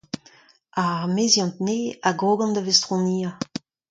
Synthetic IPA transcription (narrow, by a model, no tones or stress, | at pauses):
aʁmezjɑ̃nt̪neaɡʁoɡɑ̃nd̪avest̪ʁɔ̃niːa